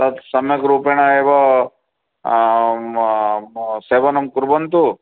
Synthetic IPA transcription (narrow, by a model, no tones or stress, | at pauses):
t̪ɐt̪sɐmjɐkɾuːpeɳ̃aeːʋɐ | seːbɐnɐmkuɾbɐnt̪u